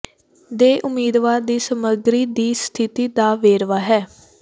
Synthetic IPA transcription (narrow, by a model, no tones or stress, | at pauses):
d̪eːʔʊmiːd̪ʋaːɾd̪iːsəməɡɾiːd̪iːst̪ʰɪt̪iːd̪aːʋeːɾʋaːɦɛː